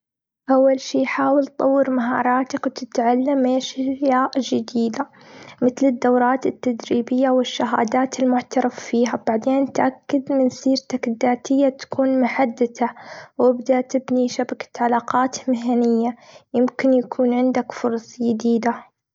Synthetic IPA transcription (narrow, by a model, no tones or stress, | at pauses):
ʔawːalʃiːjħaːwɪltt̪ˤːɑwːɪɾmaɦɑ̰ːɾˤɑːt̪akwt̪ɪt̪ʕalːameːʃɪɾjaːʔd͡ʒɪd̪iːd̪a | mɪt̪lɪd̪ːawɾˤɑːt̪ɪt̪ːad̪ɾiːbɪjːawɪʃːaɦa̰ːd̪aːt̪ɪlmʊʕt̪ɑɾˤɑffiːɦabaʕd̪eːnt̪ʔakːad̪mɪnsiːɾt̪akd̪ːaːt̪ɪjːat̪ḁkuːnmʊħad̪ːɪt̪awɪbd̪aʔt̪ɪbniʃabakḁt̪ʕalaːqɑːt̪mɪɦanɪjːajɪmkɪnjakʰuːnʕɪnd̪akfʊɾˤɑsˤd͡ʒɪd̪iːd̪a